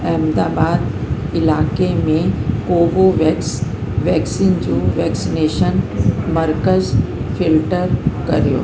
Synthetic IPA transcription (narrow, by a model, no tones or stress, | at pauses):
ɛːmd̪aːbaːd̪ | ɪlaːkemẽkoːʋoʋ | ʋɛːksiːnd͡ʑoʋɛːksineːʃənmɐɾkəzfɪlʈəɾkɐɾjo̰ː